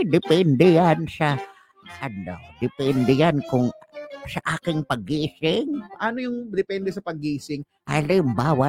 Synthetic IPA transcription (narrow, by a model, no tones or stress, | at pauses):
d̪ɪpɛnd̪ɛjansɐ | ʔɐnːo̰d̪ɪpɛnd̪ɛjankʊŋsɐʔaːkɪŋpɐɡiːsɪŋʔɐnojʊŋd̪ɪpɛnd̪ɛsɐpɐɡiːsɪŋ | ʔalɪmbaːwa